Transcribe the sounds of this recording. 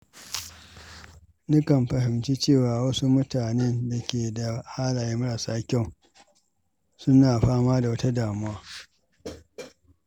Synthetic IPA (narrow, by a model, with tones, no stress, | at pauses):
nʊ˦kɐ˨mɸɐ˨ɦɪ˨mt͡ʃi˦t͡ʃeː˦˨waː˨wɐ˦su˦mʊ˦taː˨ne˦nda˨kʲeː˨da˨haː˦laː˨ji˦mʊ˦ɽaː˨saː˦kʲɛ˦˨ | sʊ˦naː˨ɸaː˦maː˦da˨wɐ˦ta˦daː˨mʊ˦waː˦